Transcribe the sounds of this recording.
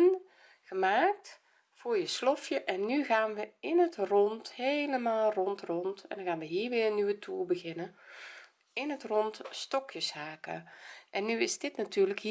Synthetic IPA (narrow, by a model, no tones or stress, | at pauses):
n | ɣəmaːk̚t | fʊːɹjəslɔfjəʔɛnːyɣaːnʋəɪnətrɔnthejləmaːlˠrɔntrɔntɛ̰ndŋɣaːnʋəɦiːɹʋɪːrnyʋətʰuːbəɣɪnə | ɪnətrɔntstɔkjəshaːkə̰ʔɛnːyɪzdɪtnatyːɹləkhi